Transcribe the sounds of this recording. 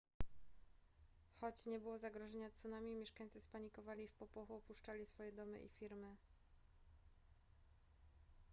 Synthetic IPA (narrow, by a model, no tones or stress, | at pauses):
xɔt͡ɕɲɛbɘwɔzaɡɾɔʐɛɲat̪sunamʲimʲjɛʂkaɲt̪sɘspaɲikɔvalʲifpɔpɔxuɔpuʂt͡ʂalʲisfɔjɛd̪ɔmɘ̰ʔḭfʲiɾmɘ